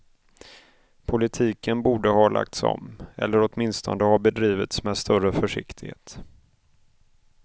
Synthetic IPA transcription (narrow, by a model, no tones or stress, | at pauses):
pʰʊlɪt̪ʰiːkənbuːɖəɦɑːlʔa̰k̚t̪sɔ̰mɛ̰lːəɾɔt̪mɪnst̪ʰɔ̰nd̪əhɑːbɛd̪ɾiːvɪt̪smɛd̪st̪œɾəfœʂɪkt̪ʰɪɡhḛːt̪